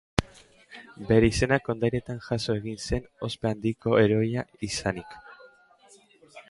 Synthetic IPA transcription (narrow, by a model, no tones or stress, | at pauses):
be̞ɾe̞ise̞nako̞nd̪ajɾe̞t̪aŋʝaso̞e̞ɣinse̞no̞spe̞and̪iko̞e̞ɾo̞aisanik